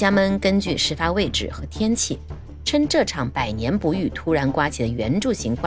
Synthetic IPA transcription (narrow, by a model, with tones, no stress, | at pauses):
t͡ɕja˥mə˥˩nkə˥nt͡ɕy˥˧ʂɻ̩˥˩fa˥we˥˩ɪʈ͡ʂɻ̩˨˩xɤ˧˥t̪ʰjɛ˥nt͡ɕʰi˥˩ | ʈ͡ʂʰə˥ŋʈ͡ʂɤ˥˩ʈ͡ʂʰɑ˨˩˦ŋpa˨˩ɪnjɛ˧˥npu˧˥y˥˩t̪ʰu˥ɻa˧˥nkwa˥t͡ɕʰi˨˧˩d̪ə˧˩ɥɛ˧˥nʈ͡ʂu˥˩ɕi˧˥ŋkʰwa˥˩